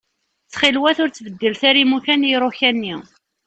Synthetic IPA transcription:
t͡sːχilwæθʊɾt͡sːvəd̪ːəlθæɾimukænjɾˤoçænːi

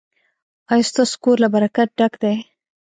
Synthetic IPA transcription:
ajost̪askoɾlabaɾakat̪̚ɖakd̪aj

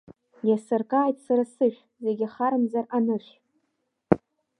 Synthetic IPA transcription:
jasɨrkʼaːjtʼsaɾasɨʃᶣʷ | ze̞ɡʲɪaχaɾɨmzaranɨʃʲ

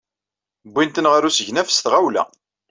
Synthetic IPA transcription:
bʷːint̪ənʁəɾusəʝnæfə̥st̪ʁawlæ̰

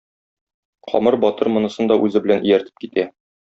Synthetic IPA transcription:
qʰɒ̰mɤɾbɒt̪ɤɾmŏnɤ̆sɤnd̪ɒʔʉzɘbɘ̆lænʔijæɾt̪ɘ̥p̚kit̪æ

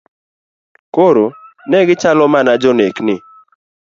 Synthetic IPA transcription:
koɾo | nɛɡɪt͡ʃalɔmanad͡ʒɔneknɪ

